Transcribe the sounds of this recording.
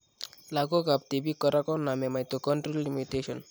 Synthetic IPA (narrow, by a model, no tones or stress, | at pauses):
laɡokap̚t̪ibikːɔɾakɔnamemajt̪okɔɳʈɾolːimiteʃɔn